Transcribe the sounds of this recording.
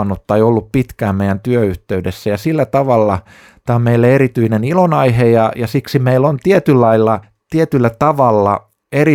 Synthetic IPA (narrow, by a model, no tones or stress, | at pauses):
nut̪ːɑeiolːuppit̪kæːmeijænt̪yøyht̪eydesːæjɑsilːæt̪ɑʋɑlːɑ | t̪æommeilːæeɾit̪yinenilonɑihejɑjɑsiksimeilːont̪iet̪ylːɑilːɑ | t̪iet̪ylːæt̪ɑʋɑlːɑ̰ | eri